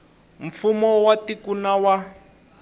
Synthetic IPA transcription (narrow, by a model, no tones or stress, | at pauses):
ɱ̩fumɔwatikunawa